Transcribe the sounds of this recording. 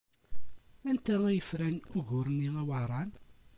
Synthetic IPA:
ænt̪ææjəfɾænʊʝʊɾniŋæwɑɾˤɑn

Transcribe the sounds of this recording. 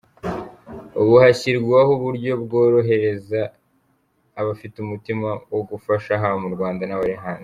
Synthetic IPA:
oβuhaçiɾɡwahuβuɾɟo̞bɡo̞ːɾo̞ɦe̞ɾe̞za | βafitumutimawoɡufaʃaɦamuɾɡwaːndanaβaɾiɦaːnzi

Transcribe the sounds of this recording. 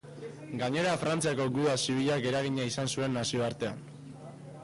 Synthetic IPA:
ɡaɲe̞ɾafɾant͡siako̞ɡuðasiβ̞iʎakɡe̞ɾaɣ̞iɲaisansue̞nːasio̞aɾt̪e̞a̰n

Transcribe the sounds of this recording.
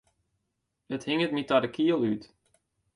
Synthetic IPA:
əthɪŋət̚mitadəkʰiəlˠyt

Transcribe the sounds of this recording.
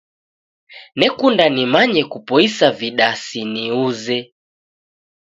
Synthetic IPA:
nɛkundanimaɲɛkupɔisaviɗasiniuzɛ

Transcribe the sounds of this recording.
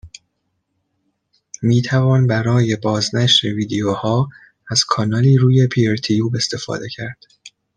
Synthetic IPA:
miːt̪ʰævɒːnbæɾɒːje̞bɒːznæʃɾeviːd̪ejohɒː | æz̥kʰɒːnɒːliːɾuːje̞pʰieɾt̪ʰijuːbe̞st̪e̞fɒ̰ːd̪e̞cʰæɾd̪̥

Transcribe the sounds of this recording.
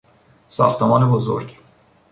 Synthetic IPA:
sɒ̰ːxt̪ʰemɒːnebozo̰ɾɡ

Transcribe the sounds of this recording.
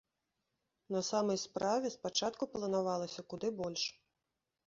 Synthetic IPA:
nɐsamɐjspɾavʲɛspat͡ʂat̪kuplˠɐnavalˠɐsʲɐkud̪ɨbɔlʲʂ

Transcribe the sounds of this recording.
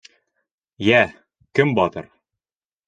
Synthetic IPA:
jæ | kɘmbɒt̪ɤ̰ɾ

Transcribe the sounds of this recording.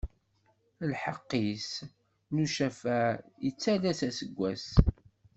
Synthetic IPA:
lħəqːis | nuʃæfæjət͡sːælæsæsəɡʷːæs

